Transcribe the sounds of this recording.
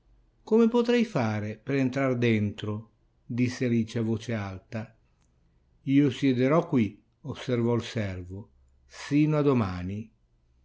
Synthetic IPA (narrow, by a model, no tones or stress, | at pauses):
komepot̪ɾɛjfaːɾepeɾent̪ɾard̪ɛnt̪ɾo | d̪isːealiːt͡ʃavoːt͡ʃealt̪a | iːosjɛd̪eɾɔkːwi | osːervɔlsɛrvʊ | siːnoad̪omaːni